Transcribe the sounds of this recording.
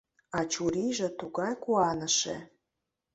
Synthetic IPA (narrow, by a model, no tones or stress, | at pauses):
ɑt͡ɕuɾiʒĕt̪uɣɑjkuɑnə̆ʃḛ